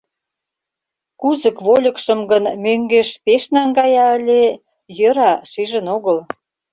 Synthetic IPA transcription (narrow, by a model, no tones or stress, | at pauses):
kuzəkβolʲə̆kʃəmɡənmøŋɡeʃpeʃnɑŋɡɑjɑəlʲe | jəɾɑʃiʒə̆noɣəl